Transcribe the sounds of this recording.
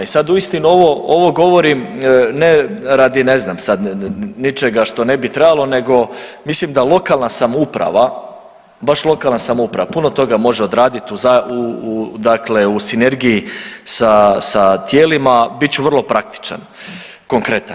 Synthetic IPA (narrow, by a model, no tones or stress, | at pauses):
isad̪uist̪inuo̞ʋo̞oʋo̞ɡo̞ʋo̞ɾimneɾad̪ine̞znamsad̪nit͡ʃe̞ɡaʃt̪o̞ne̞bit̪ɾebalˠo̞ne̞ɡo̞mislimd̪alˠo̞kalˠnasamupɾa̰ʋa | baʃlˠo̞kalˠnasamoupɾaʋapuno̞t̪o̞ɡamo̞ʒeo̞d̪ɾaːd̪it̪uzaud̪akle̞usine̞ɾɡijisasat̪je̞ːlimabit̪t͡ɕuʋər̩lˠo̞pɾʔak̚t̪i̥t͡ʃa̰n | ko̞ŋkɾe̞t̪an